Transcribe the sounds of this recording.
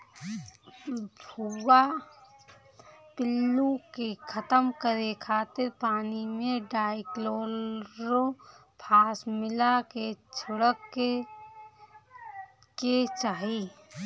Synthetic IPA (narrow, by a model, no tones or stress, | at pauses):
bʱuwa | pɪlːukekʰət̪əmkəɾekʰaːt̪ɪɾpaːnimẽɖaːɪkloːlɾopʰaːsmɪlaket͡ʃʰʊɽək | ket͡ʃaːɦi